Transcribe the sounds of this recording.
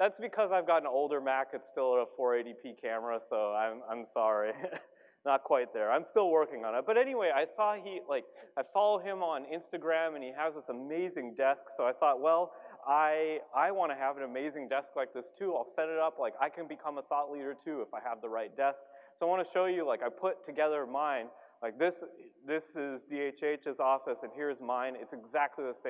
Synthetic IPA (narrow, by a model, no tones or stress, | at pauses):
ðætsb̥ɨkʰʌzaɪvɡɑɾn̩oʊlˠdə˞mækɨtstɪlˠəɾəfɔɹeɪɾipʰikʰæmə˞əsoʊãɪ̃mãɪ̃msɑɹi | nət̚kʰw̥aɪt̪̚ðə˞ãɪ̃mstɪlˠwɜ˞kɪ̃ŋə̃ñɨt̚b̥ʌɾɛñiweɪaɪsɔilaɪk̚aɪfɑlˠoʊɪ̃mə̃nɪ̃nstɨɡɹæ̃mɨ̃niɨzðɪsəmeɪzɪ̃ŋdɛsksoʊaɪθɔt̚wɛlˠaɪaɪwɑ̃ɾ̃ɨəvɨ̃nɨmeɪzɪ̃ŋdɛsklaɪk̚ðɪstʰʉaɪlˠsɛɾɨɾʌplaɪkaɪkʰɨ̃nbɨkʰʌ̃məθɔtˡliɾə˞tʰʉəfaɪəvðəɹaɪt̚d̥ɛsk̚soʊaɪwɑ̃ñɨʃoʊjɨlaɪkaɪpʰʊtʰɨɡɛðə˞mãɪ̃n | laɪk̚ðɪsðɪsɪzdieɪt͡ʃeɪt͡ʃɨzɔfɨsɨ̃nɦiɹɨzmãɪ̃nɨtsɨɡzæk̚tʰˡliðɨsẽ